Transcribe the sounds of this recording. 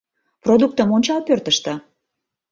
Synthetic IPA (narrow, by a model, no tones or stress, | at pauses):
prod̪uk̚t̪əmonʲt͡ɕɑlpørt̪əʃt̪ə̆